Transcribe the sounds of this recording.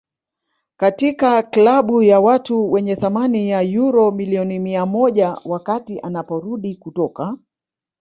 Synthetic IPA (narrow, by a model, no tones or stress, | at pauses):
katikaklaɓujawatuwɛɲɛθamanijajuɾɔmiliɔnimiamɔʄawakatiʔanapɔɾuɗikutɔka